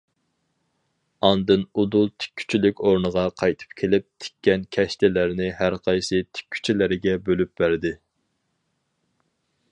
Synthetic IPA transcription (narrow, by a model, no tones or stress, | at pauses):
ɑnd̪ɨnud̪ulˠt̪ʰɪ̥kʲʰːy̥t͡ʃʰylykʲoɾnəʁɑqʰɑjt̪ʰɨ̥p̚kʲʰelɪp̚t̪ʰɪ̥kʲʰːɛnkʲʰɛʃt̪ʰɪlæɾnɪɦæɾqʰɑjsɨt̪ʰɪ̥kʲʰːy̥t͡ʃʰilɪɾɪɡʲɛbølyp̚bæɾd̪ɪ